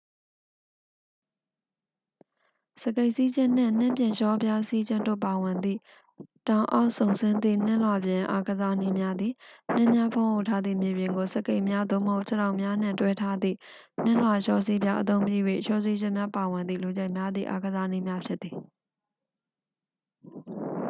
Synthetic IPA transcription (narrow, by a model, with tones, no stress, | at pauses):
sə˨ke˦˨ɪʔsi˦d͡ʑɪ̃˦n̥ɪ̰̃˦˨n̥ɪ̰̃˦˨mpjɪ̃˨ʃɔ˦bja˦si˦d͡ʑɪ̃˦ndo̰˦˨pa˨wɪ̃˨nd̪ḭ˦˨ | tã˨ʊ̃ʔa̰˦ʊʔsõ˨ʊ̃nsɪ̃˦nd̪ðḭ˦˨n̥ɪ̃˦˨lwa˨bjɪ̃˨ʔa̰˦ɡəza˦ni˦mja˦d̪ði˨n̥ɪ̰̃˦˨mja˦pʰõ˦ɦo˦˨tʰa˦d̪ðḭ˦˨mje˨bjɪ̃˨ŋɡo˨sə˨ke˦ɪʔmja˦d̪o˦˨məɦo˦ʊʔt͡ɕʰə˨ɾã˨ʊʔmja˦n̥ɪ̰̃˦˨ntwɛ˦tʰa˦d̪ðḭ˦˨ | n̥ɪ̃˦˨lwa˨ʃɔ˦si˦bja˦ʔət̪̬õ˦ʊ̃mpji˦jwḛ˦˨ʃɔ˦si˦d͡ʑɪ̃˦˨mja˦pa˨wɪ̃˨nd̪ðḭ˦˨lo˨d͡ʑa˦ɪʔmja˦d̪ðḭ˦˨ʔa˦ɡəza˦ni˦mja˦pʰjɪ˦t̪̚t̪ːi˨